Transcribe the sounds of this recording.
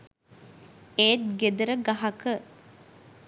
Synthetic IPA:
eːt̪̚ɡed̪əɾəɡɐɦɐkə

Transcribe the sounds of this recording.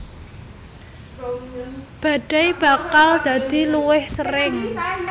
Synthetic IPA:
b̥a̤ɖ̥a̤jb̥a̤kald̪̥ä̤d̪̥i̤luwɪhsəɾɪŋ

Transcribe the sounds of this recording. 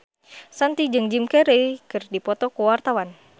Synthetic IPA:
sant̪id͡ʒɨŋd͡ʒimkɛɾejkɨrdipɔt̪ɔkuwart̪awan

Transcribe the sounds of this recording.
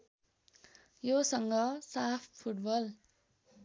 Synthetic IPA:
josʌŋɡʌsapʰpʰuʈbʌl

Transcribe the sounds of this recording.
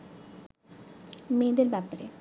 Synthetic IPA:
med̪eɾbɛpaɾḛ

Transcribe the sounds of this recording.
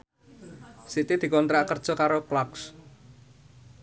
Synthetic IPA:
sit̪id̪̥i̤kɔnt̪ɾaʔkərd̥ʒ̥ɔ̤kaɾoplɔks

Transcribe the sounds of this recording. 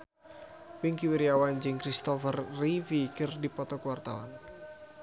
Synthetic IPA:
wiŋkiwiɾiawand͡ʒɨŋkɾist̪ɔfərːifikərdipɔt̪ɔkəwart̪a̰wa̰n

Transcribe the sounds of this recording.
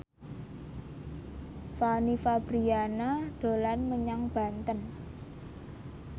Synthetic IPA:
fanifab̥ɾianad̪̥o̤lanməɲaŋb̥a̤nt̪ən

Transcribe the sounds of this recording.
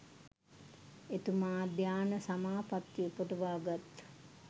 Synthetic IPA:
et̪umaːd̪jaːnəsamaːpat̪ːjiupəʈəʋaːɡat̪

